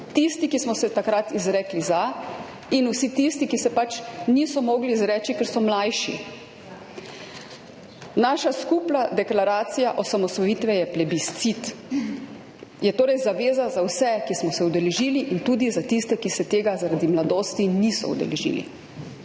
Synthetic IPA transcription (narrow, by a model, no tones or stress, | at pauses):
t̪ist̪ikismɔsɛt̪akɾat̪izɾɛːkliza | inusit̪ist̪ikisɛpat͡ʃniːsɔmɔːɡliːzɾɛːt͡ʃikɛɾsɔmlajʃḭ | naːʃaskuːpnad̪ɛklaɾaːt̪sijaʔɔsamɔsɔjiːt̪ʋɛjɛplɛbist̪sit̪ | jɛt̪oːɾɛjzaʋeːzazawsɛkismɔsɛud̪ɛlɛʒiːliʔint̪uːd̪izat̪ist̪ɛkisɛt̪eːɡazaɾad̪imlad̪oːst̪inisɔ̰ṵd̪ɛ̰lɛ̰ʒḭːlḭ